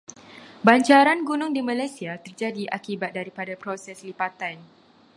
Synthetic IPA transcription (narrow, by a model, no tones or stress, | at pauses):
baɲt͡ʃaɾanɡunʊŋdimãlajsiat̪ərd͡ʒadiʔakibat̪̚daɾipadapɾosɛslipat̪an